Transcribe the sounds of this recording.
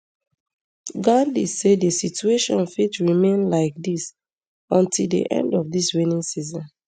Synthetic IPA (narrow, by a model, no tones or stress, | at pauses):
ɡãdisedesitueʃɔ̃nfitɹimẽnlaɪk̚dis | ɔ̃ntilˠdḭʔɛ̰̃ndɔfdiswinĩŋsizɔ̃n